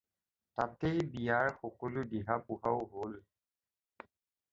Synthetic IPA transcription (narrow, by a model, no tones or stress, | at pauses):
tatejbijaɹxɔkɔlʊdiɦapuɦaʊɦol